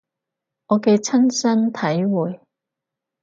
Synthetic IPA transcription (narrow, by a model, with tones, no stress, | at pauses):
ŋɔː˨˧ke˧jt͡sʰɐ˥nsɐ˥nt̪ʰɐ˨˥jwuː˨j